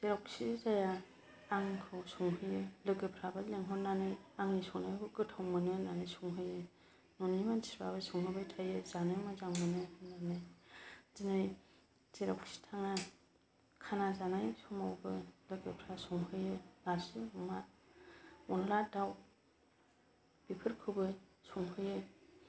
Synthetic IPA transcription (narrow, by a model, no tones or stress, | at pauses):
zeɾɔk̚sizajaː | ŋkʰɯwsɔŋhɯjɯlɯɡɯpʰɾabaleŋɦɔnanɯjaŋisɔŋnajbɯɡɯtʰawmɯnɯnanɯjsɔŋɦɯjɯ | nɔnimansi̥ba̰βasɔŋhɯbajtʰajɯzanɯjmazaŋmɯnɯhɯnanɯjzinɯj | ziɾakʰsi̥tʰaŋa | kʰanazanajsɔmawbɯlɯɡɯpʰɾasɔŋɦɯjɯnaɾsiuma | ɔnladaw | b̥ipʰɯɾkʰɯwbɯsɔŋɦɯjɯ